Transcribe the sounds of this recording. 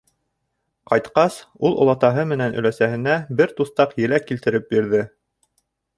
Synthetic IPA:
qɑjt̪qɑsulˠŏ̰lˠɑt̪ɑɦɤmɘ̆nænɵ̆læsæhɘ̆næbɘɾt̪uθt̪ɑqjɘ̆lækːilt̪ɘ̆ɾɘp̚biɾðɘ

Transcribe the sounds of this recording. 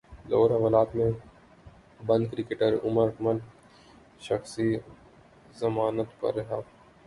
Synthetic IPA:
loːɾaʋəlaːt̪mẽ | bɐ̃nd̪̚kɾɪkeːʈəɾʊ̰məɾɐkməl | ʃɐxsi | zɐmaːnət̪pɐ̰ɾːɐɦaː

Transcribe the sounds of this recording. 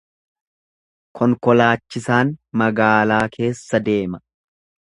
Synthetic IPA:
kʰɔŋkɔlaːt͡ʃːɪsaːnmɐɡaːlaːkʰe̞ːsːɐd̪e̞ːmɐ

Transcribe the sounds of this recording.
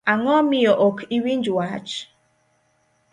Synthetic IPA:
aŋɔmijoʔokiwin̩d͡ʒuaat͡ʃ

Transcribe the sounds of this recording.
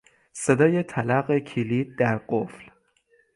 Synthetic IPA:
se̞d̪ɒːjet̪ʰælæɢekʰiliːd̪̚d̪æɾɢofl

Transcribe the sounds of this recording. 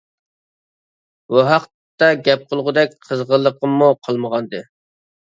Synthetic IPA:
buɦɑqt̪ | t̪ɛɡʲɛp̚qʰəlˠʁʊd̪ɛk̚ʲqʰəzʁəlˠːəqəmuqʰəlˠməʁɑnd̪ɨ

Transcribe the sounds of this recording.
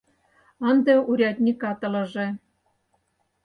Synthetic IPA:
ɑnd̪ɤuɾʲɑt̪ʲnʲikɑt̪ɤ̆lɤ̆ʒĕ

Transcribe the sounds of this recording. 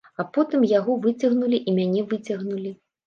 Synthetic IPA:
ɐpɔt̪ɨmjaɣɔvɨt͡sʲɐɣnulʲiʔimʲanʲɛvɨt͡sʲɐɣnulʲi

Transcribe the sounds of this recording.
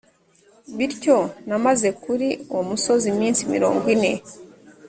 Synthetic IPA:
βiɾco̞namaze̞kuɾiomuso̞zimiːnsimḭɾo̞̰ːŋɡwine̞

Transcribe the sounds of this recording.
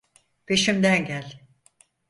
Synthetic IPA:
pʰe̞ʃimd̪ænɟælʲ

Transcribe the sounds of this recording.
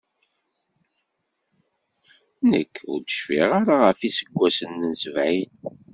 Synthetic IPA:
nə̰kːʊ̰ɾd̪əʃfiʁaɾaʁəfisəɡʷːæsənːənsəvʕin

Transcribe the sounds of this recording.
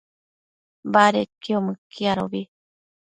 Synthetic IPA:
mbaɾekeomɨ̃kʰiaɾoβi

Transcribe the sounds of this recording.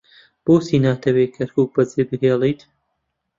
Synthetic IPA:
b̥oːsiːnaːt̪ʰɐwekʰɐɾkʰuːk̚bɐzeːbɨɦeːlˠijt̪

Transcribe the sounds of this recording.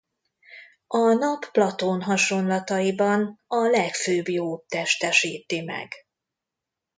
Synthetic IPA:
ɒnɒpːlɒt̪onɦɒʃo̞nlɒt̪ɒjibɒnɒlɛkføːbjoːt̪ːɛʃt̪ɛʃiːt̪imɛ̰ɡ̥

